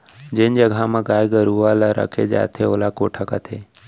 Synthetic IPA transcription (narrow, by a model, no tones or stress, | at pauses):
d͡ʒend͡ʒəɡʱãmãɡaːjɡəɾuaːlaɾʔə̰kʰed͡ʒa̰ːt̪ʰeoːlakoːʈʰakat̪ʰe